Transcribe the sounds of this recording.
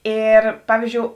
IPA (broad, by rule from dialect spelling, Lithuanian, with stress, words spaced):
ˈeːr ˈpɑːʋʲiːzʲd͡ʒʲoːʊ